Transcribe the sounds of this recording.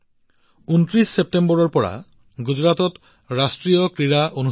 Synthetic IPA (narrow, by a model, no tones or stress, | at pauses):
unt̪ɾisːep̚tembɔɾɔɾpɔɾa̰ | ɡud͡ʑɾat̪ɔt̪ | ɾasʈɾijokɾiɾaʔonu